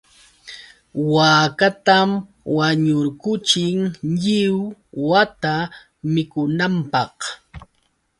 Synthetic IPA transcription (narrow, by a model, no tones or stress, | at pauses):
waːkat̪am | waɲʊɾkʊt͡ʃɪŋʎɪwwat̪a | mɪkʊnampɑq